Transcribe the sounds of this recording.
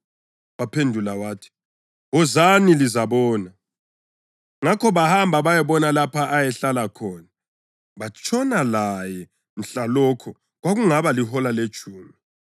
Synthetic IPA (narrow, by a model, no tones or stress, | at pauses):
wapʰendʱulawaːtʰi̥ | ɔzanilizaβɔːna | ŋakʰɔβahambʱaβajɛβɔnalapʰaʔajɛɬalakʰɔːna | βat͡ʃʼʰɔnalajɛ | n̩ɬalɔːkʰɔ | ɣwaɣuŋaβalihɔlale̥t͡ʃʼuːmi